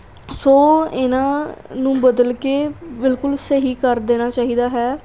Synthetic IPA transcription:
soːɪnãːnũːbəd̪əlkeːbɪlkʊlsəɦiːkəɾd̪eːɽ̃aːt͡ʃaːɦiːd̪aːɦɛː

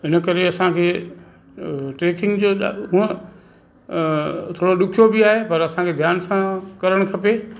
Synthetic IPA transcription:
ɦɪnə̆kɐɾeɐsãkʰeː | ʈeːkɪ̃ŋɡd͡ʑoːɗɦũə̃ | t̪ʰoːɽoɗʊkʰijobɪaːɦepɐɾɐsãkʰeːd̪ʱjaːnsãkɐɾəɽ̃kʰɐpeː

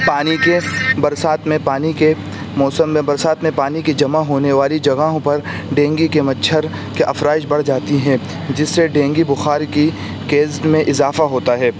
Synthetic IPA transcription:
paːnikebɐɾsaːt̪mẽpaːnike | mɔːsəmːẽbɐɾsaːt̪mẽpaːniked͡ʒɐmaɦoːneʋaːlid͡ʒɐɡaːɦõpɐɾ | ɖẽːŋɡikemɐtːʃʰəɾ | keʔɐfɾaːɪʃbɐɽ̤d͡ʒaːt̪iɦɛ̃ | d͡ʒɪsːeɖẽːŋɡibʊxaːɾki | keːzdmẽʔɪzaːfaɦoːt̪aɦɛː

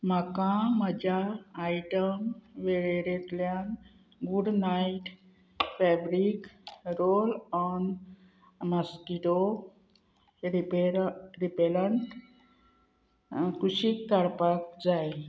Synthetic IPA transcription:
m̤akãməd͡ʑʱaːjʈəmʋeɭeɾet̪ljan | ɡuɖnaiʈ | fɛbɾikɾolɔn | maskiʈo | ɾipeɾɾipeləɳʈ | kuɕikːaɽpak̚d͡zaj

